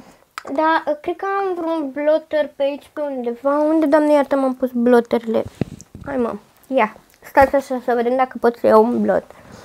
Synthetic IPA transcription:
d̪aəkɾed̪̚kəamvɾonblot̪ərpeait͡ʃpe̞und̪e̞vaund̪e̞d̪oamnejaɾt̪amampusblot̪eɾilḛajmə̰m | ja | st̪at̪sʲaʃasəve̞d̪emd̪akəpo̞t̪səjawunblo̰t̪

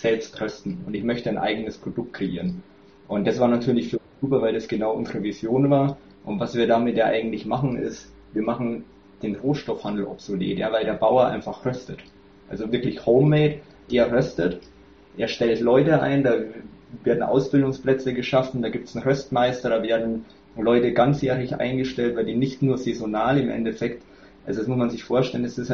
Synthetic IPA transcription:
z̥ɛlpstʁœstn̩ʊntɪçmœçtənʔa̰ɪɡənəspʁ̥od̥ʊk̚t̚kʁ̥eʔḭːʁən | ʔʊnt̚d̥asv̥aːɐnatʰyːɐlɪçfyːɐʊnz̥uːpɐvaɪldasɡ̥ənaʊʔʊ̰nzəʁəvizjoːnvaːɐ | ʔʊntvasv̥iːɐdaːmɪtjaːʔa̰ɪɡŋ̩tlɪçmaχn̩ɪ̰st | viːɐmaχn̩ | d̥eːnʁoːʃtɔfhandl̩ʔɔpz̥olḛːtja̰ːvaɪldeːɐbaʊɐʔa̰ɪnfaχʁœstət | ʔa̰lzovɪɐklɪçhoʊmːɛːt | d̥eːɐʁœstət | ʔeːɐʃtɛltlɔʏtəʔa̰ɪndaːveːɐdn̩ʔa̰ʊsb̥ɪldʊŋsplɛt͡səɡəʃafn̩d̥aːɡiːp̚tsn̩ʁœstmaɪstɐɾaːveːɐdn̩ | lɔʏtəɡant͡sjeːʁɪçʔa̰ɪnɡəʃtɛltv̥aɪldiːnɪçtnuːɐzezonaːlɪmʔɛ̰ndɛfɛkt | ʔalzodasmʊsmanzɪçfoːɐʃtɛlənɛsɪs

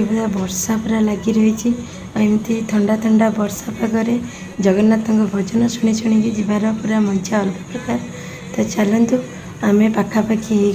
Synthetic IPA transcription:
ebɔd̪abɔɾsapuɾalaɡiɾɔɦit͡ʃʰi | ajmt̪it̪ʰɔɳɖat̪ʰɔɳɖabɔɾsapaɡɔɾe | d͡ʒɔɡɔnːat̪ɔŋkɔbʱɔd͡ʒɔnɔsuɽ̃it͡ʃʰuɽ̃iŋkid͡ʒibaɾɔpuɾamɔnt͡ʃʰaɔlpɔ̥pɾɔkaɾ | t̪ɔt͡ʃalɔnt̪u | amepakʰapakʰiɦe

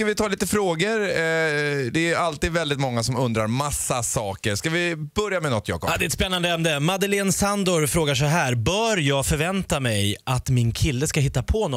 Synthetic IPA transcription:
skavɪt̪ʰɑːliːt̪əfɾoːɡəɾ | d̪ɛæɾalt̪iːd̪vɛld̪ɪt̪mɔŋːasɔmɵnd̪ɾaɾmasːasɑːkəɾskavɪbœɾjamɛnɔt̪ʰːjɑ̰ːkɔd̪ɛɛt̪spɛnːand̪əɛmnd̪əmad̪əleːnsand̪ʊɾfɾoːɡaʂɔɦæːɾbœːɾjɑːɡfœɾvɛnt̪amɛjʔat̪mɪnkʰɪlːəskaɦɪt̪ːapʰɔnɔ

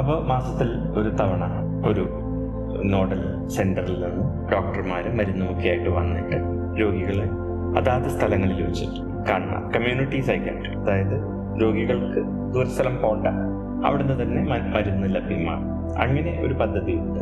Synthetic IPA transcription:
ɐpːoːmaːsɐt̪ːil | o̞ɾut̪ɐʋɐɳɐ | o̞ɾu | no̞ːɽɐl | se̞nɖɐrilninːɨ | ɖo̞ːk̚ʈɐrmaːɾɨmɐɾunːɐmukːijaːjiʈːɨʋɐnːiʈːɨ | ɾo̞ːɡiɣɐɭe | ɐðaːt̪ɐst̪ʰɐlɐŋːɐɭilʋɐt͡ɕːḭʈːɨ̥ | kaːɳunːa̰ːmkɐmjuːniʈːisɐjkːɐ̰ːʈːɨɐðaːjɐðɨ | ɾo̞ːɡiɣɐɭkɨ | d̪uːɾɐst̪ʰɐlɐmpo̞ːɳɖɐ | ɐ̰ʋiɽenːɨt̪ɐnːe̞mɐmɐɾunːɨlɐbima̰ːɳ | ɐ̰ŋːɐne̞ʔo̞̰ɾupɐd̪ʱːɐðijuɳɖɨ

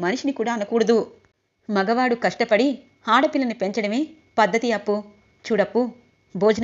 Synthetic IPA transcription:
mɐniʂinikuːɽaːɐnɐkuːɽɐd̪u | mɐɡɐʋaːɽukɐʂʈɐpɐɽi | haːɽɐpilɐnupe̞ɲt͡ʃɐɽɐmeː | pɐd̪ːɐt̪iɐpːu | t͡ʃuːɽɐpːu | bɔːd͡ʒɐ

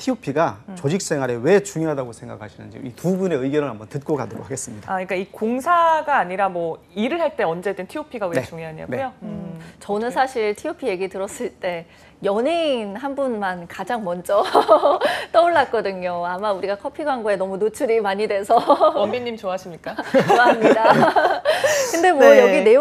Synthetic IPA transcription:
tʰiopʰiɡat͡ɕʌd͡ʑik̚s͈e̞ŋɦwaɾe̞we̞t͡ɕuŋjoɦadaɡosʰe̞ŋɡa̰kʰaɕʰinɯ̰nd͡ʑḭitubune̞ɯiɡjʌnɯɭɦambʌntɯt̚k͈oɡa̰ndɯɾo̰haɡes͈ɯmɲidaaɲik͈aikoŋsʰaɡaːɲiɾamwʌ | iɾɯɭɦaɭt͈e̞ʌnd͡ʑe̞dɯntʰiopʰiɡawenet͡ɕuŋjoɦaɲia̰neujoɯt͡ɕʌnɯnsʰaɕʰiɭtʰiopʰije̞ɡitɯɾʌs͈ɯɭt͈e̞ | jʌninɦanbunmankad͡ʑaŋmʌnd͡ʑʌ | t͈ʌuɭːak͈ʌdɯɲoamauɾiɡakʰʌpʰiɡwaŋɡoe̞nʌmunot͡ɕʰuɾimaɲidwe̞sʰʌʌmiɲːimt͡ɕoaɦaɕʰimɲik͈aamɲida | kɯnde̞mwʌjʌɡine̞

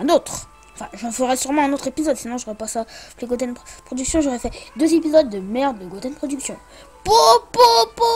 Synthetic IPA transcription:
ɛ̃not̪χ | ɑ̃fɛ̃ʒɑ̃fəʁɛsyʁmɑ̃ɛ̃not̪χepizɔd̪sinɔ̃ʒoʁɛpasapleɡot̪̬ɛnd̪pχɔd̪yksjɔ̃ʒoʁɛfɛd̪øzepizɔd̪ːəmɛʁd̪leɡot̪ɛnpχɔd̪yksjɔ̃ | popopo

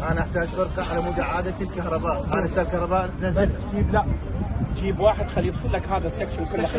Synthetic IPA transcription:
ʔanaʔɪħt̪aːd͡ʒfɪɾˤqɑʕalamʊd̪aʕaːd̪at̪lkahɾˤɑbaːʔʔanasaːlkahɾˤɑbaːʔt̪nazɪld͡ʒiːblaʔd͡ʒiːbwaːħɪd̪xalːiːbsˤɨlːakhaːðasːekʃankʊlː

